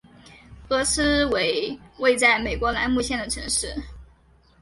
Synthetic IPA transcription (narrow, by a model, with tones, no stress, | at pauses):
kɤ˧˥sɹ̩˥we˧˥ɪwe˥˧ɪt͡sa˥˩ɪme˨˩ɪkwɔ˧˥la̰˧˥nmu˥˧ɕjɛ˥˩nd̪ə˩ʈ͡ʂʰɤ˧˥ŋʂɻ̩˥˩